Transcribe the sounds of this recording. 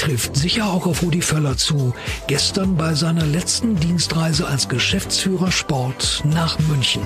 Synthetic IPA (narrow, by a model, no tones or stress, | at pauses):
tʁ̥ɪftz̥ɪçɐaʊxaʊfʁoːdifɛlɐt͡suːɡ̥ɛstɐnbaɪzaɪnɐlɛt͡stn̩diːnstʁaɪzəʔalsɡ̥əʃɛft͡sfyːʁɐʃpɔɐtnaːχmʏnçn̩